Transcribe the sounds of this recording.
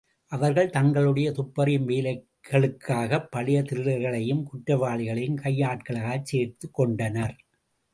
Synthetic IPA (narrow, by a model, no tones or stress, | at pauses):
ʔɐʋɐɾɣɐɭt̪ɐŋɡɐɭɯɽɐjɐt̪ʊpːɐɾɪmʋeːlɐɪ | ɐɭɯkʰːaːɣɐpːɐɭɪjɐt̪ɪɾɯɾɐɾɣɐɭɐjɯmkʊʈɾɐʋaːɭɪɣɐɭɐjɯmkɐjːaːʈ̚kɐɭaːɣɐt͡ʃseːɾt̪ɯkːɔɳɖɐnɐɾ